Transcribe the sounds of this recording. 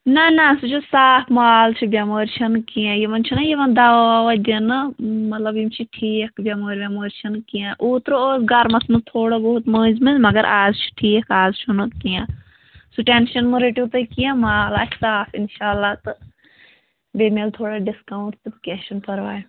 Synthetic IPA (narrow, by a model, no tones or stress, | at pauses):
nɐnasut͡ʃʰusaːpʰmaːlt͡ʃʰubʲamoːɾʲt͡ʃʰɐnkijãːjimɐnt͡ʃʰunɐjiʋɐnd̪aaːʋad̪ʲenɨmɐt̪lɐbimt͡ʃʰiʈʰiːkbʲamoːɾʲbʲamoːɾt͡ʃʰɐnkijãʔuːt̪ɾooːzɡɐɾmɐsmɨt̪ʰoːɽobɐɦut̪məːzmɐlmɐɡɐɾʔaːzt͡ʃʰu̥ʈʰiːkʰaːzt͡ʃʰunɨkijãː | suʈenʃɐnmɨɾeʈiʋt̪ɐkijãmaːla̰ːt͡ʃsaːpʰinʃaːlːaːt̪ɨ | beːmeːlt̪ʰoːɽaɖiskaːw̃ʈʰt̪ɨbɐkeʃɐnpɐɾʋaːj